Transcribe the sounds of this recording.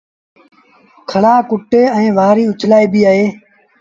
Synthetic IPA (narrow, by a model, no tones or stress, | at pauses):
kʰəɽaːkʊʈeːɛ̃ːʋaːɾiːʊt͡ʃʰlaːiːbiːaːɦeː